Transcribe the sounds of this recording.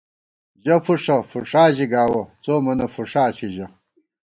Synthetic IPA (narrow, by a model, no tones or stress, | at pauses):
ʑɐfuʂɐfuʂaːʑiɡaːwɐt͡soːmɐnɐfuʂaːɕiʑɐ